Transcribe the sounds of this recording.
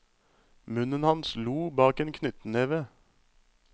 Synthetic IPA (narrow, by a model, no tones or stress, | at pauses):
mʉnənhɑnsluːbɑːkeːnkʰnʏt̪n̩eːʋə